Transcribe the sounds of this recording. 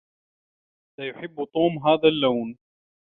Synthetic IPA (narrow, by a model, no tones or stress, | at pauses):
lajʊħɪbːt̪ˤuːmɦaːðalːawn